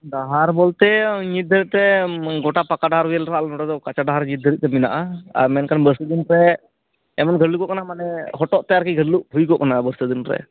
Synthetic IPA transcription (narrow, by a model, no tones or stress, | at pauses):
ɖaɦaɾbɔlt̪ɛɲit̪̚d̪ʱəɾit̪̚t̪ɛɡɔʈapakaɖaɦaɾɦujɛlɾalnɔʈad̪ɔkat͡ʃaɖaɦaɾɲit̪̚d̪əɾit̪̚t̪ɛmina̰ʔaa̰ɾmɛnkanbəɾsəd̪inɾɛ | ɛmɔnɡʱəɽlukɔʔkanamanɛɦɔʈɔʔt̪ɛaɾkiɡʱəɽluʔɦujkɔʔkanabəɾsəd̪inɾɛ̰